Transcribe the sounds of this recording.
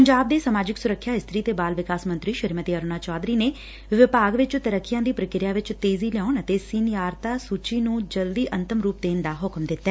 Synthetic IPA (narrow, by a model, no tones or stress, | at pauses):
pəɲd͡ʒaːb̚d̪eːsamaːd͡ʒɪksʊɾəkʰːjaːɪst̪ʰɾiːt̪eːbaːlʋɪkaːsmə̃nt̪ɾiːʃəɾmət̪iːəɾoːnaːt͡ʃɔːd̪ɾiːneː | ʋɪpaːɡʋɪt͡ʃt̪əɾəkʰːɪjãːd̪iːpɾəkɪɾɪjaːʋɪt͡ʃt̪eːziːlɛɔːnət̪eːsɪnjaːɾt̪aːsuːt͡ʃiːnũːd͡ʒəld̪iːʔə̃nt̪əmɾuːp̚d̪eːnd̪aːɦʊkmd̪ɪt̪ːɛː